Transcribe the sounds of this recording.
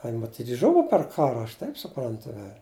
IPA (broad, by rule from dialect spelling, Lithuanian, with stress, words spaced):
ɐ ɪn mɐˈtʲiːtʲ ˈʒʊʋɐ pʲɛr ˈkɑːrɐ ɐʃ ˈtɐɪp sʊˈprɐntʊ ʋʲɛlʲ